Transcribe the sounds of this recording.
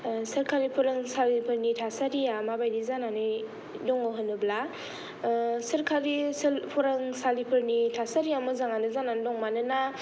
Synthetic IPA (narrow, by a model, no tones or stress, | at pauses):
sɐɾkʰaɾipʰɔɾaŋsalipʰɯɾnitʰasaɾijamabajdizananɯ | dɔŋɔɦɯnɯbla | sɐɾkʰaɾislpʰɔɾaŋsalipʰɯɾnitʰasaɾiamɯzaŋanɯzanandɔŋmanɯna